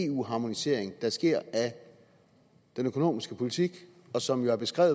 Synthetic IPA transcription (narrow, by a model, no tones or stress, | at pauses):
e̝ːṵːɦɑ̈mo̝nise̝̰ɐ̰eŋd̥ɑ̈sɡ̥e̝ɐ̰æ | d̥enøkʰo̝no̝̰ːmisɡ̥əpʰo̝lit͡sʰiɡ̥ | ɒ̽sɒ̽mjo̝æɐb̥e̝sɡ̥ʁɛ̰ʊð